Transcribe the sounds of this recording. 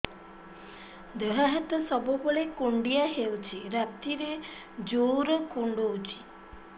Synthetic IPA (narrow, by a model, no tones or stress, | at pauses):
d̪əɦaɦat̪ɔsɔbɔbɔɭekuɳɖijaɦewt͡ʃʰiɾap̚t̪iɾe | d͡ʒowɾɔkuɳɖowt͡ʃʰi̥